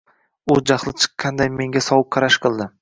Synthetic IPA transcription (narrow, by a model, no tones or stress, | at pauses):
ʊd͡ʒaχlˠɪt͡ʃʰɨ̥qːɑnd̪ajme̞ŋɡʲasɒwʊk̚qʰɑɾaʃqɨlˠd̪ɪ